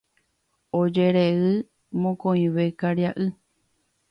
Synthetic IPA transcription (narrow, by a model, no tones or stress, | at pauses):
od͡ʒeɾeɨ | mõkõĩʋekaɾjaʔɨ